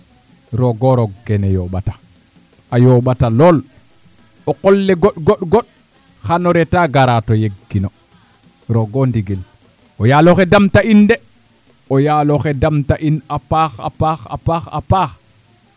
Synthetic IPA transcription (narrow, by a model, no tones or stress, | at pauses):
ɾɔɡɔɾɔɡɛnɛjɔɓatḁ | ʔajɔɓatalɔl | ɔkɔlːɛɡɔɗɡɔɗɡɔɗ | xanɔɾɛtaɡaɾatɔjeɡːinɔ | ɾɔɡɔndiɡɛl | ʔɔjalɔxɛdamtaindɛ | ɔjalɔxɛdamtaʔinapaxa̰paxa̰paxa̰pax